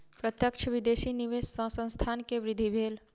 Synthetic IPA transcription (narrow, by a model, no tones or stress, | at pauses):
pɾət̪jəkʃʰəʋɪd̪eːʃiniʋeːssə̃sə̃st̪ʰaːnkeʋɾɪd̪ʱibʱeːl